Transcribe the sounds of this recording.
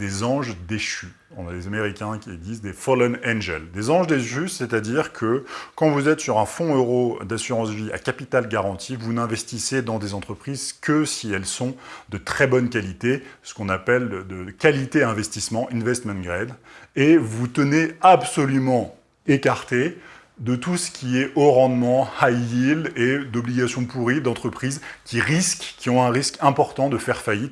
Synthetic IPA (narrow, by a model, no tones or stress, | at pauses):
d̪ezɑ̃ʒd̪eʃỹ | lezameʁikʲɛ̃kʲid̪izd̪efɔlɔnɛ̃nʒɛld̪ezɑ̃ʒd̪eʃysɛt̪ad̪iʁkʰəkɑ̃vuzɛt̪syʁɛ̃fɔ̃øʁod̪asyʁɑ̃svia̰kapit̪alɡaʁɑ̃t̪ʰivunɛ̃vɛst̪ised̪ɑ̃d̪ezɑ̃t̪χəpχizkəsiɛlsɔ̃d̪ət̪χɛbɔnkalit̪esə̥kɔ̃napɛld̪əkalit̪eɛ̃vɛst̪ismɑ̃ʔĩnvɛst̪mɛ̃nɡʁɛd̪evut̪əneabsɔlymɑ̃ | ekaʁt̪e | d̪ət̪usə̥kʲiɛʔoʁɑ̃d̪mɑ̃hajiled̪ɔbliɡʲasjɔ̃puʁid̪ɑ̃t̪χəpχizkʲiʁiskkʲiɔ̃ɛ̃ʁiskɛ̃pɔʁt̪ɑ̃d̪əfɛʁfajit̪